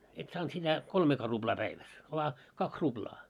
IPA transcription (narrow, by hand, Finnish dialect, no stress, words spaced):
et sɑːnt sitæ kolmeːkɑː rub̥lɑː pæiʋæs ʋoɑ kɑks rub̥lɑː